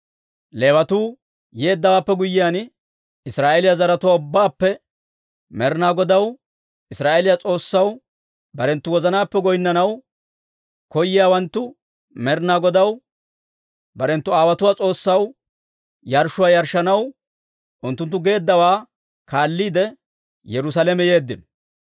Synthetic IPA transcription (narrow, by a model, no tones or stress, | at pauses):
le̞ːwɐt̪uː | jeːd̪ːɐwaːpːɛɡʊjɪjaːn | ɪsɾaːʔelɪjazɐɾɐt̪ʊwaːʊbːaːpːɛ | mɛɾnaːɡɔd̪ɐw | ɪsɾaːʔeːlɪjat͡sʼo̞ːsːɐw | bɐɾɛnt̪ːʊwɔzɐnaːpːɛɡɔjnːɐnɐw | kɔjːɪjaːwɐnt̪ːʊ | mɛɾnaːɡɔd̪ɐw | bɐɾɛnt̪ːʊaːwɐt̪ʊwaːt͡sʼo̞ːsːɐw | jɐɾʃʊwaːjɐɾʃɐnɐw | ʔʊnt̪ːʊnt̪ːʊɡe̞ːd̪ːɐwaː | kaːlːiːd̪ɛ | jɛɾʊs̬alɛmɛje̞ːd̪ːɪn